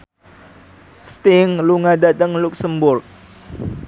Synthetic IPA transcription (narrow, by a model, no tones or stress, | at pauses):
st̪iŋluŋadat̪əŋluk̚səmbʊrk̚